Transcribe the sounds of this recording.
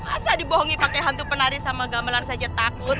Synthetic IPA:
masadiboɦɔŋipakejɦant̪̬upənaɾisamaɡamalansad͡ʒat̪akʊt̪̚

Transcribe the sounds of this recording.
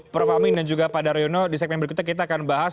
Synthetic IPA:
pəɾfamɪndand͡ʒuɡapadaɾeonɔdisɛk̚mɛnbəɾkut̪akit̪aːkanbaɦas

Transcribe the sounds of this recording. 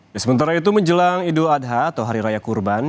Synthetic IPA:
dasəmənt̪aɾait̪̬uməɲd͡ʒəlaŋiduadɦaːt̪awɦaɾiɾajakurban

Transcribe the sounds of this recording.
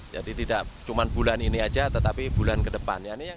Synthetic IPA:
d͡ʒa̰dit̪idaʔt͡ʃumanbulaniniad͡ʒat̪ət̪apibulankədəpa̰njanija

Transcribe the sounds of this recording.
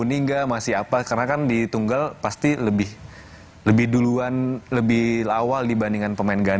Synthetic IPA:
uniŋɡamasɪapakarənakandit̪uŋɡalpast̪iləbɪh | ləbɪhduluanləbɪhlawaldibandiŋanpəmaɪnɡan

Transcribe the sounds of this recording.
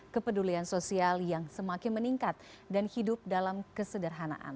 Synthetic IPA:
kəpəduliansosialjaŋsəmakɪnməniŋkat̪̚ | danhidʊp̚dalamkəsədərɦana̰ʔa̰n

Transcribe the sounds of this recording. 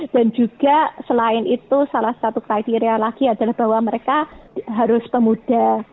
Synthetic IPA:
d̥and͡ʒuɡ̥asəlaɪnit̪usalahsat̪ukɾait̪iɾialaɡ̥iadalahb̥a̤waməɾekaɦaɾʊspəmud̥a

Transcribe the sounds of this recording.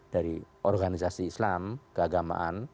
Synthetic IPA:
d̥aɾiʔɔrɡanisasiːslamkəaɡama̰ʔan

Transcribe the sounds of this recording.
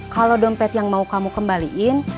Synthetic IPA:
kalodɔmpɛt̪jaŋmaukamukəmbaliʔɪn

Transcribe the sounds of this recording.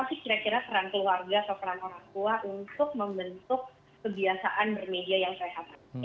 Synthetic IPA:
asikiɾakiɾapəɾaŋkəluarɡaːt̪awkəɾaŋoɾaŋt̪uaʔunt̪ʊk̚məmbənt̪ʊkː | əbiasaʔanbərmediajaŋseɦat̪a

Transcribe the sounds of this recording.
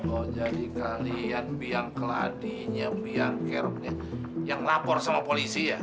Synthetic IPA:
mod͡ʒadikalianbiaŋkəla̰diɲabiaŋkɛrm̚ɲa | jaŋlapɔrsamapolisija

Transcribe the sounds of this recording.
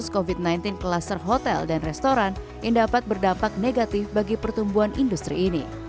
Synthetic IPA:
skovit̪̚najnt̪ɪnklasərɦot̪ɛ̰ldanrɛst̪oɾan | jaŋdapat̪̚bərdampak̚neɡat̪ɪfbaɡipərt̪umbuɦanindust̪ɾḭːnḭ

